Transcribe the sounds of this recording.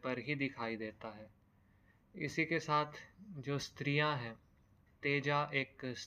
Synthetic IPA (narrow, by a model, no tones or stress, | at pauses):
pɐɾɦid̪ɪkʰaːid̪eːt̪aɦɛː | ɪ̰sikesaːt̪ʰd͡ʒoːst̪ɾijãɦɛ̃ː | t̪eːd͡ʒaʔeːks